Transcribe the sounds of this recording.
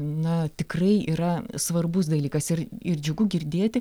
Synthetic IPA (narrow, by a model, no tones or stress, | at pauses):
nɐt̪ʲɪkrɐɪḭːɾɐsʋɐrbʊs̬d̪ɐlʲiːkɐsɪɾɪrd͡ʒʲʊɡʊɡʲɪrʲd̪ʲeːt̪ʲɪ